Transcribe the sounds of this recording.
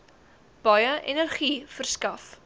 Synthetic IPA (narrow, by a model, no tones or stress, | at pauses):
b̥ɐjəʔɛnərχiːfərskɐf